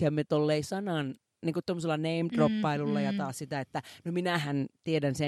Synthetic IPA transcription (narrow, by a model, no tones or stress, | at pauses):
æmet̪olːeisɑnɑn | niːŋkut̪t̪omːoselːɑneimt̪ropːɑilulːɑjɑt̪ɑːssit̪æet̪ːænominæhænt̪iedænse